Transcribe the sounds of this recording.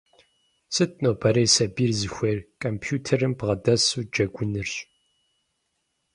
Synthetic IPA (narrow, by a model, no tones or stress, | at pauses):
sɨtʰʼnoːbʰɐɾeːsɐbiːrzɨxʷerkʼɐmpʰjuːtʰɐrɨmbʁɐdɐsuːd͡ʒɐɡʷʊnɨrɕʼ